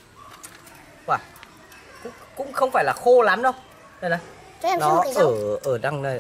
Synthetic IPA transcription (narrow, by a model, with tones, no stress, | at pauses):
kwaː˨˩ | kʊ̰˧˥ŋ͡mkʊ̰˧˥ŋ͡mxə˧wŋ͡mfaː˧˩jlaː˨˩xo˧laː˨˦mɗə˧w | zə˧˩na˨˩ | t͡ɕɔ˧˦ɛ˧nɔ˧˨˦əː˨˧˩ʔəː˧˩ɗa˧˩ŋnə˨˩